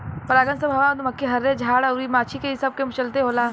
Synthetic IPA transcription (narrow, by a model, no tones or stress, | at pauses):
pɐɾaːɡənsɐbʱaːʋad̪umɐkːiɦɐɾːed͡ʒʱaːɽaʊɾimaːt͡ʃʰikesɐb̚kemut͡ʃɐlt̪eɦoːlaː